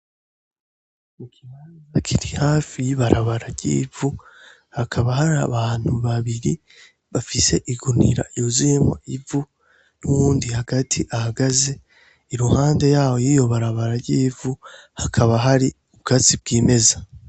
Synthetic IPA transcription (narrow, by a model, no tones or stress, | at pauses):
ikʰiβaːnzakʰiɾihaːfijiβaɾaβaɾaɾɟḭːvu | hakʰaβahaɾaβaːn̥huβaβiɾi | βafise̞ʔiɡunḭɾa̰iuziːma̰ivu | nuwuːndihaɡ̥atʰiʔahaɡaze̞ | iɾuhaːnde̞jaːwo̞jijo̞βaɾaβaɾaɾɟiːvuhakʰaβaɦaɾi | uβɡat͡sib̚ɡiːme̞za